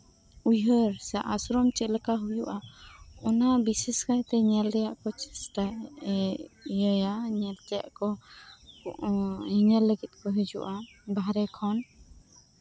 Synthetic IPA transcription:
ujɦəɾsaʔasɾɔmt͡ʃɛləkaɦujuʔaɔnabisiskajt̪ɛɲɛlɾɛjaʔkɔt͡ʃɛsʈa | jəjaɲɛlt̪ɛja̰ʔkɔ | hiɲəlːəɡɛt̪̚ˀkɔɦɛd͡ʒṵʔabaɾɛkʰɔn

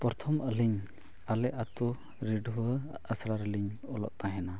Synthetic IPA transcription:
pɔɾt̪ʰɔmʔəliɲ | alɛʔat̪u | ɾiɖuəəsɾaɾəliɲɔlɔ̰ʔ̚t̪ãɦɛna

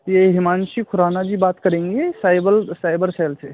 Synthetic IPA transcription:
jeɦimanʃikʰuɾanad͡ʒibaːt̪kəɾẽŋɡesajbəlsajbəɾselse

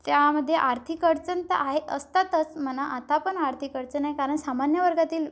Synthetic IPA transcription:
t̪jaməd̪ʱːjeʔaɾt̪ʰikəɾt͡sənt̪əʔaɦeʔəst̪at̪ət͡sm̤ənaʔat̪apəɳaɾt̪ʰikəɾt͡ɕənaɦekaɾəɳsamanjəʋəɾɡat̪iːl

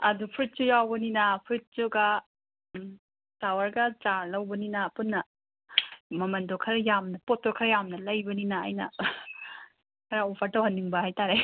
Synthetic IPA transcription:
ɐdupʰɾit̚t͡ʃujawbɐninɐpʰɾit̚t͡ʃuɡɐ | tawɐɾɡɐt͡ʃaɾlɐwbɐninɐpunːɐ | mɐmɐndokʰɐɾjamnɐpot̚dokʰɐɾjamnɐlɐjbɐninɐ̰ːjnɐ̰ | kʰɐɾaopʰɐɾtɐwhɐnːiŋbɐhajtaɾe

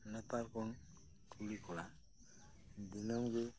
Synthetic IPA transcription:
nɛpalkʰɔn | kʰulikʰɔla | d̪inɔmɡe

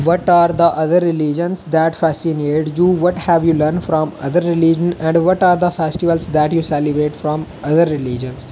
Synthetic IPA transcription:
ʋɔʈaːɾd̪əʔʌd̪əɾːɪlid͡ʒə̃nsd̪æʈfɛsineːʈd͡ʒuːʋɔʈhæʋjuːləɾnfɾɔ̃ːmʌ̰d̪əɾːɪlid͡ʒə̃nɛ̃ɳɖʋɔʈaːɾd̪əfɛsʈɪʋəlsd̪æʈjuːsɛlɪbɾeːʈfɾɔ̃mʔʌd̪əɾːɪlid͡ʒə̃ns

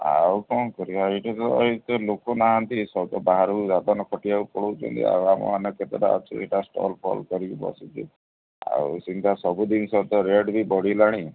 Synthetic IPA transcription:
a̰wkɔnkɔɾiaiʈɔt̪ɔ̰it̪lokonaɦant̪isɔt̪ɔbaɦaɾɔud͡ʒat̪ɔnɔkʰɔʈiaupɔɽowt͡ʃʰɔ̰nt̪ʰḭa̰wamɔ̰anɔket̪ɔɾa̰ɔ̰t͡ʃʰṵeʈasʈɔ̰lpʰɔ̰lkɔɾibibɔ̰sit̪ḭ | a̰usint̪ʰasɔbud̪insɔt̪ɔɾeɖbʱibɔɽilaɽ̃i

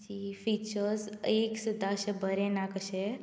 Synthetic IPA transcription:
t͡ʃifit͡ʃəɾzeksud̪ʱaʃebəɾenakəʃe

